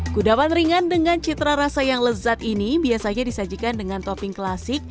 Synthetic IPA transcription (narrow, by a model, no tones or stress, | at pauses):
ɡ̥udawanriŋandəŋant͡ʃit̪ɾaɾasajaŋləzat̪inibiasaɲadisad͡ʒikandəŋant̪opɪŋklasɪk̚